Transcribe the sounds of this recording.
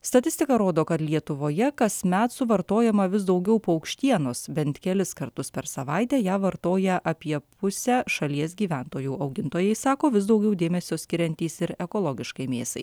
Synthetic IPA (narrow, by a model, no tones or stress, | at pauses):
st̪ɐt̪ʲɪsʲt̪ʲɪkɐɾoːd̪oːkɐt̪lʲiɛt̪ʊʋoːjɛkɐsʲmʲæt̪sʊʋɐɾt̪oːjɛmɐʋʲɪsd̪ɐʊɡʲɛʊpoːɐʊkʃʲt̪ʲiɛnoːsbʲɛnt̪ʲkʲɛlʲɪskɐɾt̪ʊspʲɛɾsɐʋɐɪt̪ʲæːjæːʋɐɾt̪oːjɛʔɐpʲiɛpʊsʲæːʃɐlʲiɛsɡʲiːʋʲæːˑnt̪oːjuːɐʊɡʲɪnt̪oːjɛɪsɑːkoːʋʲɪsd̪ɐʊɡʲɛʊd̪ʲeːmʲɛsʲoːsʲkʲɪɾʲɛnʲt̪ʲiːsɪɾɛkoːlˠɔɡʲɪʃkɐɪmʲḛːsɐ̰ɪ